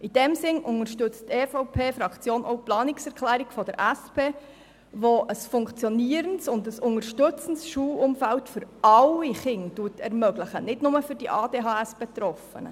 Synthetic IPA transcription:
ʔid̥ɛmsɪnʔʊŋəɾʃtʏt͡steːfoʊpʰeːfɾɑkt͡sjoːnʔɔ̰ʊplɑːnɪksɛɾkχlæːɾikfɔd̥əɾʔæspeː | ʋoʔəsfʊŋkt͡sjɔniːəɾənsʊndəsʊŋəɾʃtɵt͡sən̩sʃuːlʊmfæltfʏɾɑliχɪŋduːətʰɛɾmœɡləχənɪdnʊməfʏɾdiʔɑːdeːɦɑːɛsb̥etɾɔfə̰nə̰

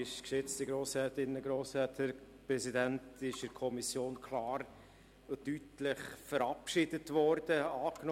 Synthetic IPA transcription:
ɪʃkʃɪt͡stəɡɾoːshɛːtɪnːəɡɾoːshɛːthəɾpɾɛsidæntɪʃɪɾkʰɔmisjoːnkʰlɑːɾ | tytlɪχfəɾɑpʃɪdətʋɔrd̥əɑːkn

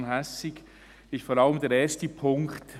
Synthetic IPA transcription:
nɦɛsɪɡ | ɪsfɔːɾɑləmdɛːɾɛːstəpʰʊŋkt

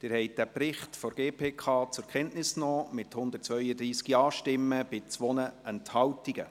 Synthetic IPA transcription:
d̥ɪːɾhɛɪjt̚d̥æːprɪχtfɔɾɡ̥eːpʰeːkʰɑːt͡sʊɾkʰɛntnɪsknɔːmɪthʊnd̪ətt͡sʋœʏəd̪ɾiːskiɑːʃtɪmːəb̥ɪt͡sʋɔnəɛnthɑwtiɡ̥ə

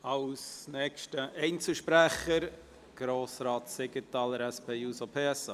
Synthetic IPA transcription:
ɑwsnɛkʃtəʔɛɪnt͡səlʃpɾæχəɾ | ɡ̥ɾoːsɾɑːtsɪɡətɑːləɾɛspʰeːjuːsopʰeːɛsɑː

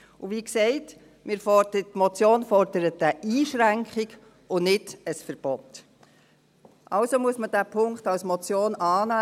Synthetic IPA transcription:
ʊʋiːksɛɪt | mʔɪɾfɔdətːmɔt͡sjoːnfɔɾd̥əɾətəʔiːʃɾæŋkχiɡ | ʊnɪdəsfəɾb̥ɔt | ʔɑlsomuəsməd̥æːpʰʊŋktɑlsmɔt͡sjoːnɑːna

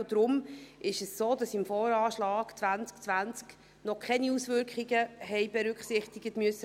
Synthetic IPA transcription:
d̥ɾʊmʔɪʃɛssoːdɑsɪmfoːɾɑːʃlɑːɡ̥t͡svant͡skt͡sʋant͡sk | nɔkʰχɛniusvʏɾkχiɡəɦɛɪbɛɾʏkχsɪχtɪɡətmʉəsːə

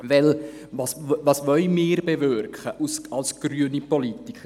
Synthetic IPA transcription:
ʋɛlvɑsvɑːsʋœlmɪːɾbevøɾkχəʔusɑlsɡ̥ɾyənipɔlit̪ikχ

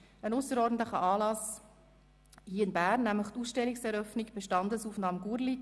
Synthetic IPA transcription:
ənʊsəɾɔɾdn̩t̪ləχəʔɑːlɑs | hiːəɪnbæːrnːæmləχt̪uːsʃtɛlːiksɛɾœfniɡb̥eʃtɑnd̪əsuːfn̩dɑmɡuɾli

